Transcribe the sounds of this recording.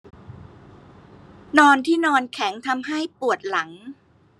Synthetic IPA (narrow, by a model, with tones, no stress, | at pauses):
nɔː˧nt̪ʰiː˥˩nɔː˧nkʰɛ˩˦ŋt̪ʰa˧mɦa˥˩jpu˨˩ət̪̚la˩˦ŋ